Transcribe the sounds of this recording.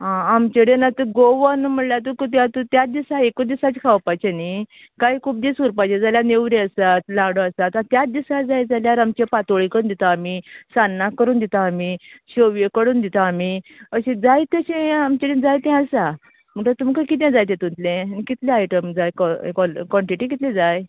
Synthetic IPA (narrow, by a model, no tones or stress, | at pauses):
ɦãamt͡ɕeɽẽnat̪uɡoʋanm̤əɽljat̪̬ukut̪̬jãt̪ut̪jat̪̚d̪isaekod̪isat͡ɕkʰawpajt͡ɕeni | kaikʰuːp̚d̪isuɾpajt͡ɕẽd͡zaljaneʋɾiəsat̪laɽoəst̪at̪at̪jat̪̚d̪isad͡zajd͡zaljaɾamt͡ɕepat̪oɭikəɾuːnd̪it̪aːmisanːakːəɾuːnd̪it̪aːmiɕoʋjekəɽuːnd̪it̪aːmiəɕẽd͡zajt̪əɕẽamt͡ɕeɾĩd͡zajt̪ɛ̃əsa | m̤əʈat̪umkakit̪̬jãd͡zajt̪ẽt̪unt̪lẽnikit̪leajʈəmd͡zajkkkɔɳʈiʈikit̪led͡zaj